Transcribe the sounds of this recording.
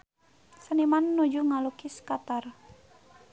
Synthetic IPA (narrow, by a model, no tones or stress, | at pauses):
sənimanːud͡ʒuŋalukiskat̪ar